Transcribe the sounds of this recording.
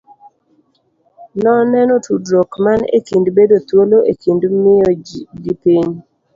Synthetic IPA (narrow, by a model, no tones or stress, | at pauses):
nɔnɛnɔtudɾokmanḛtindbedot̪woloʔetindmɪɔdipiɲ